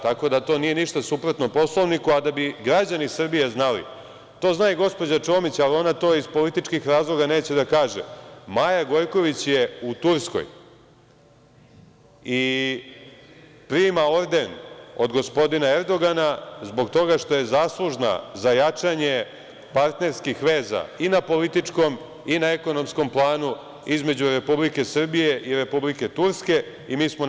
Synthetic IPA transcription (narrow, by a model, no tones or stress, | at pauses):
t̪ako̞d̪at̪o̞nije̞niʃt̪asupɾot̪nopo̞slˠoʋnikuad̪abiɡɾad͡ʑanisr̩bije̞znalḭ | t̪o̞ːznaːiɡo̞spo̞d͡ʑat͡ʃo̞ːmit͡ɕalio̞nat̪o̞ːizpo̞lit̪it͡ʃkixɾaːzlˠo̞ɡane̞ːt͡ɕe̞d̪akaːʒḛmajaɡo̞jko̞ʋit͡ɕje̞ut̪uɾsko̰j | i | pɾiːmao̞ɾd̪e̞no̞d̪ɡo̞spo̞d̪inae̞ɾd̪o̞ɡanazbo̞ɡt̪o̞ɡaʃt̪o̞je̞zaːslˠuʒna̰zajat͡ʂaɲe̞ | paɾt̪ne̞ɾskixʋe̞ːza̰inapo̞lit̪it͡ʂko̞m | inaeko̞no̞msko̞mplˠaːnu | izme̞d͡ʑuɾe̞publike̞sr̩bije̞ʔiɾe̞publike̞t̪uɾske̞ | imiːsmo